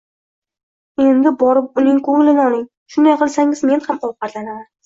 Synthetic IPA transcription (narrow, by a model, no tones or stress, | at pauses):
e̞nd̪ɪbɒɾɪp̚ʊnɪŋqʰoŋlɪnɒlˠɪŋ | ʃʊnd̪ajqɨlˠsaŋɪzme̞nhamɒwqɑɾlanaman